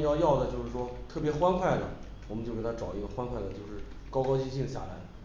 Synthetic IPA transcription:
jɑ˥˧ʊjɑ˥˩ʊd̪ə˩t͡ɕjo˥˧ʊʂɻ̩˥˩ʂwɔ˥t̪ʰɤ˥˩p̬jɛ˧˥xwa˥nkʰwa˥˩ɪd̪ə̰˩ | wɔ˨˩mə˦t͡ɕo˥˩ʊke˨˩a˥ʈ͡ʂɑ˨˩ʊi˥ɡə˧xwa˥nkʰwa˥˩ɪd̪ə˩t͡ɕjo˥˧ʊʂɻ̩˥˩ | kɑ˥ʊkɑ˥ʊt͡ɕi˥ɕi˥˩ŋɕja̰˨˩la˧˥ɪ

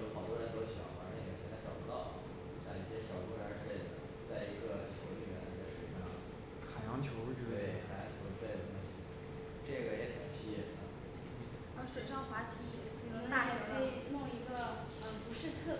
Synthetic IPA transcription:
o˧˩xɑ˨˩ʊt̪wɔ˥ɻə˧˥nt̪o˥ʊɕɑ̰˨˥xa˧˥˧ɡɕjɛ˥nt͡sa˧˥ɪʈ͡ʂɑ˨˩ʊpu˧˥t̪ɑ˥˩ʊ | u˧˥˩ɕja˥˩i˨˩ɕjɛ˥ɕjɑ˨˩ʊk̪ɔ˧˥a˧˥˧e˥˩ɪd̪ə̰˩ | t͡sa˥˩ɪi˧˥ɡə˧t͡ɕʰjo˧˥ʊ˧t͡ɕy˥˩ɛ˥n˧˩a˥˧ʂɻu˥˩˥mɛ˥˩l̰ | kʰa˨˩jɑ˧˥ŋt͡ɕʰjo˧˥ʊt͡ɕy˥˧e˥˩ɪxʰa˧˩˥jɑ˧˥ŋt͡ɕʰjo˧˥ʊ˧˥e˥˩ɪd̪ə˩kwə˥˩ɕʰi˨˧˥ | ʈ͡ʂɤ˥˩ɡə˩jɛ˧˥xə˨˩nɕi˥˩ɛ˥˩˨ə˧˩˧ | ʂwe˨˩ʂɑ˥˩ŋxwa˧˥t̪ʰi˧˥ | i˥˩˧na˥˩t͡ɕo˨˧˩fe˥˩ɪ˩mʊ˥˩i˧˥ɡə˧ | ə˧˩pu˧˥ʂɻ̩˥˧t͡sʰɤ˥˩

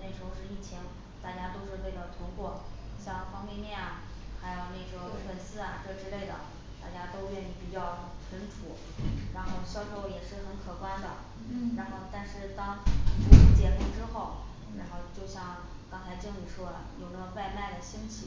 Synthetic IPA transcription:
ne˥˩ɪʂ̩˥˧˥ʊʂɻ̩˥˧i˥˩t͡ɕʰi˧˥ŋ | t̪a˥˩t͡ɕja˥t̪o˥ʊʂɻ̩˥˧we˥˩ɪd̪ə˨˩t̪ʰʊ˧˥ŋkwɔ˥˩ | ɕjɑ˥˩ŋfɑ˥ŋpe˥˧mjɛ˥˩na˩ | xa˧˥ɪjo˨˩ʊne˥˩ɪʈ͡ʂɔ˧˥˩ʂwə˧˩nsɹ̩˥a˨˩ʈ͡ʂɤ˥˩ʈ͡ʂɻ̩˥le˥˩ɪd̪ə̰˩ | t̪a˥˩t͡ɕja˥t̪o˥ʊɥɛ˥˧ni˥˩pi˨˩t͡ɕjɑ˥˩ʊʈ͡ʂʰə˧˥nʈ͡ʂʰu˧˥ | ɻa˧˥nxo˥˧ʊɕjɑ˥˩ʊʂo˧˥ʊjɛ˨˩ʂɻ̩˥˩xə˧˥nkʰɤ˨˩kwa˥nd̪ə̰˨ | ɻa˧˥nxo˥˧ʊt̪a˥˧nʂɻ̩˥˧t̪ɑ˥ŋʈ͡ʂɤ˧˥˩ʂ̩˥˩t͡ɕjɛ˧˥ku˥˩ʈ͡ʂɻ̩˥xo˥˩ʊ | ɻa˧˥nxo˥˧ʊt͡ɕjo˥˧ʊɕjɑ˥˩ŋ | kɑ˥ŋt͡sʰa˧˥ɪt͡ɕi˥˩ŋli˨˩ʂwɔ˥d̪ə̰˩jo˨˩ʊnə˥˩ɡə˩wa˥˧ɪma˥˩ɪd̪ə˩ɕi˥ŋt͡ɕʰi˨˩

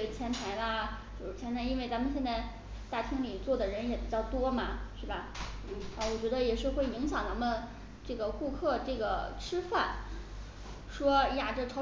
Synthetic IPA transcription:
e˥˩t͡ɕʰjɛ˧˥nt̪ʰa˧˥ɪla˧t͡ɕjo˥˧ʊʂɻ̩˥˩t͡ɕʰjɛ˧˥nt̪ʰa˧˥i˥nwe˥˩ɪt͡sa˧˥mə˨nɕjɛ˥˧nt͡sa˥˧ɪ | t̪a˥˩t̪ʰi˥ŋli˨˩t͡swɔ˥˩d̪ə˩ɻə˧˥njɛ˧˥pi˨˩t͡ɕjɑ˥˩ʊt̪wɔ˥mɐ˨˩ʂɻ̩˥˩bɐ˩˥˨ | wɔ˨˩t͡ɕɥɛ˧˥d̪ə˧jɛ˨˩ʂɻ̩˥˧xwe˥˩ɪi˧˥ŋɕjɑ˨˩ʊna˧˥mə˧n | ʈ͡ʂɤ˥˩ɡə˩ku˥˧kʰɤ˥˧ʈ͡ʂɤ˥˩ɡə˩ʈ͡ʂʰɻ̩˥fa˥˩n | ʂwɔ˥ja˥˩ʈ͡ʂɤ˥˩ʈ͡ʂʰɑ˧˥

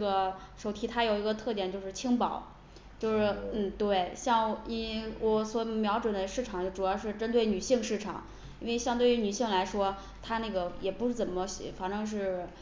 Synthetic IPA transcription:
ʈ͡ʂə˥˩ɡə˩ | ʂo˨˩ʊt̪ʰi˥t̪ʰa˥jo˨˩ʊi˧˥ɡə˧t̪ʰɤ˥˧t̪jɛ˥˩nt͡ɕjo˥˧ʊʂɻ̩˥˩t͡ɕʰi˥ŋpɑ˨˩˦ʊ | t͡ɕjo˥˧ʊʂɻ̩˥˩n̩˥˩t̪we˥˩ɪɕjɑ˥˩ŋɔ˧˥wʔɔ˧˥swɔ˧˥˧mjɑ˧˥ʊʈ͡ʂwə˨˩nd̪ə˦ʂɻ̩˥˩ʈ͡ʂʰɑ˨˩ŋ˥ʈ͡ʂu˨˩jɑ˥˧ʊʂɻ̩˥˧ʈ͡ʂə˥nt̪we˥˩ɪny˨˩ɕi˥˧ŋʂɻ̩˥˩ʈ͡ʂʰɑ̰˨˩˦ŋ | i˥nwe˥˧ɪɕjɑ˥˧ŋt̪we˥˩y˧˥ny˨˩ɕi˥˩ŋla˧˥ɪʂwɔ˥ | t̪ʰa˥na˥˩ɡə˩jɛ˨˩pu˧˥ʂɻ̩˥˩t͡sə˨˩nmə˧ɕfa˧˥˩ŋʈ͡ʂɤ˥ŋʂ̬ɻ̩˥˩

